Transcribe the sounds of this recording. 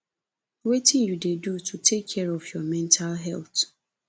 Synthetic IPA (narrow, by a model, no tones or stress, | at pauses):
wetɪ̃njudedutʰutʰekʰːɛɹɔvjɔmɛ̃ntʰalɦɛlt